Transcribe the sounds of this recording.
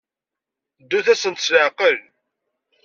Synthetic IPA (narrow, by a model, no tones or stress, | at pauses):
d̪ːuθæsənt̪sləʕqəl